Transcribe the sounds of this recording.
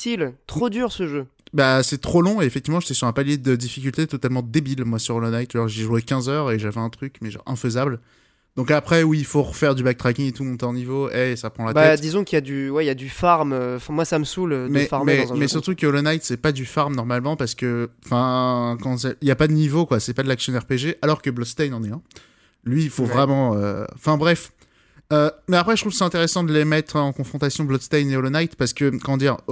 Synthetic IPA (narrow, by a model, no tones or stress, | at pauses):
t̪ilt̪χod̪yːʁsəʒø | basɛt̪χolɔ̃eefɛk̚t̪ivmɑ̃ʒet̪ɛsyʁɛ̃paljed̪əd̪ifikʲylt̪et̪ɔt̪almɑ̃d̪ebilmwasyʁlənajt̪ʒɔʒeʒuekʲɛ̃zœʁeʒavɛɛ̃t̪χykmɛʒɑ̰̃ʁɛ̰̃fəzabl | d̪ɔ̃kapχɛwiːlfoʁəfɛʁd̪ybak̚t̪χakʲiŋet̪umɔ̃t̪ɑɑ̃nivoʔɛsapχɑ̃latbaɛt̪d̪izɔ̃kiljad̪ywɛiljad̪yfaʁmøɑ̃fɛ̃mwasaməsuldmɛfaʁmɛ̃mɛsyʁt̪ukəolonajt̪sɛpad̪yfaʁmnɔʁmalmɑ̃paʁsə̥kəɑ̃fɛ̃kɑ̃sɛiljapad̪ənivokwasɛpad̪əlaksjɔ̃ɛʁpeʒeʔalɔʁkəblɔt̪st̪ajnɑ̃nɛɛ̃ | lɥiːfovʁɛmɑ̃øɑ̃fɛ̃bʁɛf | ømɛapχɛʒət̪χuvsɛɛ̃t̪eʁɛsɑ̃d̪əlemɛt̪χɑ̃kɔ̃fχɔ̃t̪asjɔ̃blɔt̪st̪ajneolonajt̪paʁsə̥kəkɔmɑ̃d̪iʁ